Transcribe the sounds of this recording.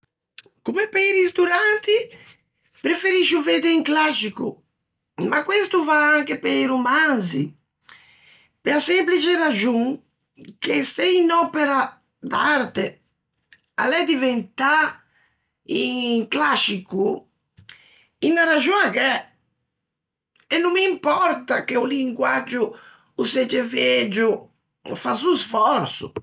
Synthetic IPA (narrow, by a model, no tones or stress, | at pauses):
kumepejɾist̪uɾant̪i | pɾefeɾiʃuved̪eiŋklasiku | makwest̪uvaaŋkepejɾumanzḭ | peasemplit͡ʃeɾad͡ʒuŋ | keseinɔpeɾa | d̪a̰ɾt̪e | a̰lɛd̪ivent̪a | iŋklaʃiku | inaɾaʒuakɛ | ɛnːumiimpɔɾt̪akeuliŋɡwad͡ʒʊː | sed͡ʒeved͡ʒʊ | fasusfɔɾsʊ̰